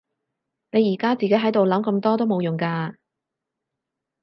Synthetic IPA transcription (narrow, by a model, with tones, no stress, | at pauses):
ne˨˧jiː˨˩kaː˥t͡siː˨ke˨˥jɦɐ˨˥jt̪o˨wlɐ˨˥mkɐ˧mt̪ɔː˥t̪o˥wmo˨˧wjʊ˨˩ŋkaː˧